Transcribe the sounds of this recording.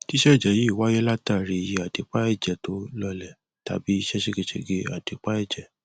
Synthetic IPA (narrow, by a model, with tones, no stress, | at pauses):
ti˦ʃɛ˦˨d͡ʒɛ˨˦˨ji˦˨wa˦jɛ˦la˦ta˦˨ɾi˧i˧je˧a˨de˨˦k͡pa˦ɛ˦˨d͡ʒɛ˨to˦lɔ˧lɛ˨ | ta̰˨˦bi˦i˦ʃɛ˦ʃe˦ɡe˧ʃḛ˧ɡe˧a˨de˨˦k͡pa˦ɛ˦˨d͡ʒɛ˨